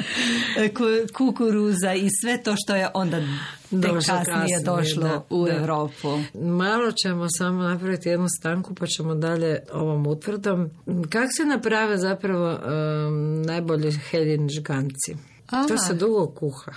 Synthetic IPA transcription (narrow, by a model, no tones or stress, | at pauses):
kukukuɾuzaisʋet̪oːʃt̪ojeʔond̪a | d̪oʃklok̪aied̪oʃloueʋɾoːpumalˠo̞t͡ɕe̞mo̞samonapɾaʋit̪ijed̪nust̪aŋkupat͡ɕe̞mod̪aʎe̞o̞ʋo̞mut̪ʋr̩d̪o̞mkako̥senapɾaʋezapɾaʋo̞ | najbo̞ʎixeʎiniʒɡant̪si | t̪osed̪uɡo̞kuxa